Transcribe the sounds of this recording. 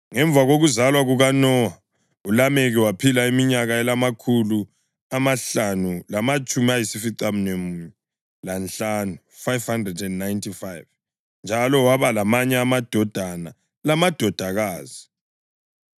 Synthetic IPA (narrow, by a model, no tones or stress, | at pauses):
ŋɛɱbvʱaɣoɣuzalwaɣuɣanɔa | ulamɛɣɛwapʰilaimiɲaɣaɛlamakʰulu | amaɬanulamat͡ʃʼumiajisifiǀam̩nɛmɛ | lanɬanu | fajvhandrɛdɛnːajntʰifajv | nd͡ʒʱalɔwaβalamaɲɛamad̥ʱɔd̥ʱana | lamad̥ʱɔd̥ʱaɣaːzi